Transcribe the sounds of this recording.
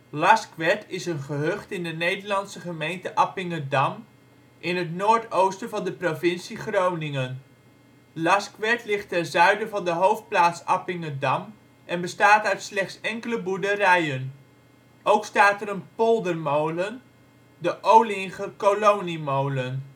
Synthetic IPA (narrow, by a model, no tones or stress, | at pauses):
lɑskʋɛtɪsənχəɦøχtɪndənejdəɹlɑnsəχəmejntəʔɑpɪŋədɑm | ʔɪnɦətnoːɹtowstəvɑndəprovɪnsiχrownɪŋən | lɑskʋɛtlɪχtɛnzœɥdəvɑndəɦowft̚plaːtsɑpɪŋədɑm | ʔɛnbəstaːtœɥtslɛχtsɛŋkələbuɹdərɛjən | owkstaːtɛɾənpolˠdərmowlən | dəʔowlɪŋχəkolownimowlən